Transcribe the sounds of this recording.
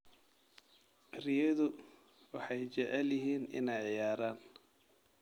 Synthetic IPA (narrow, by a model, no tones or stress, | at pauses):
ʔɪrɪjɛðʊ | wɑħɑjt͡ʃɛʕɛljɪɦiːnɪ̰nɛjʕɪjaːɾaːn